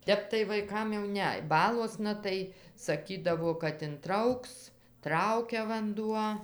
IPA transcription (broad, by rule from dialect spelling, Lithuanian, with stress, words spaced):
ˈtʲɛp tɐɪ ʋɐɪˈkɐm jɛʊ ˈnʲɛ ˈbɑːlˠuɔsnɐ tɐɪ sɐˈkʲiːdɐʋoː kɐt ɪnˈtrɐʊks ˈtrɐʊkʲɛ ʋɐnˈduɔ